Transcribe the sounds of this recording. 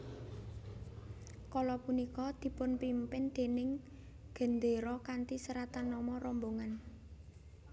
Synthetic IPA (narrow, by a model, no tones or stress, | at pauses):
kɔlɔpunikɔd̪̥i̤pʊnpimpɪnd̪̥e̤nɪŋ | ɡ̥ə̤nd̪eɾɔkant̪isəɾat̪anːɔmɔɾɔmboŋan